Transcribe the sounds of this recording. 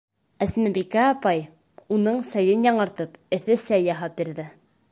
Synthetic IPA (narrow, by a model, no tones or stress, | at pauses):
æsnæbikæːpɑj | unɤɴsæjɘnjɑɴɤ̆ɾt̪ɤpɘ̆θɘsæjɑɦɑp̚biɾðɘ